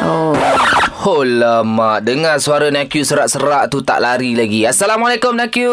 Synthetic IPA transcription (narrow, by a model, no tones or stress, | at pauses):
o | holəmaʔ̚dəŋasuaɾanakjusəɾaʔsəɾaʔt̪ut̪a̰ʔlaɾilaɡiasalamalekʊmnakju